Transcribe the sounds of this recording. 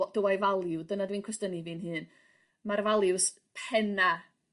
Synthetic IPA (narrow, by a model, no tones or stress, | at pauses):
d̥əwajvalˠɪwdənadwiːnkʰwəstənivɨːnɦɨːn | marvalˠɪws | pʰɛna